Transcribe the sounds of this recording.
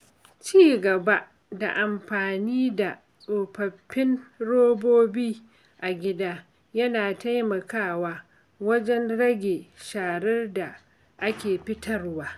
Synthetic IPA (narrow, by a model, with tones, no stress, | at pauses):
t͡ʃiː˦˨ɡɐ˨ba˦ʔ | da̰˨ʔa˨mɸaː˨niː˦da˨ | sʼoː˨ɸɐ˨pːɪ˦nɽoː˦boː˦biː˦ | ʔa˨ɡʲɪ˦daː˦ | jɐ˦naː˨ta˦jmɐ˨kaː˦˨waː˦ | wɐ˦d͡ʒɛ˦nɽɐ˦ɡʲeː˨ʃaː˨ɽɛ˦rda˨ | ʔa˦kʲeː˨ɸɪ˦tʰɐ˨rwaː˦